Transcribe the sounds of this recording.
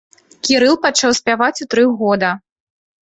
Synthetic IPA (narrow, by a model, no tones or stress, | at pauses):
kʲiɾɨlˠpat͡ʂawsʲpʲavat͡sʲut̪ɾɨɣɔd̪ɐ